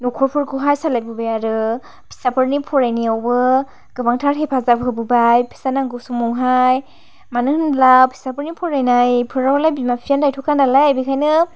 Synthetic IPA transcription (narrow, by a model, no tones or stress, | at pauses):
nɔkʰɔɾpʰuɾkʰuɦajsalajbɯbajaɾɯ | pʰi̥sapʰɯɾnipʰɔɾajniawbɯ | ɡɯbaŋtʰaɾɦepʰazaɯbɯbajpʰi̥sanaŋɡɯwsuŋmɔŋɦaj | manɯŋhɯnlawpʰi̥sapʰɯɾnipʰɔɾajnajpʰɯɾawlajbimapʰiandajtʰɔkʰandalajajbikʰajnɯ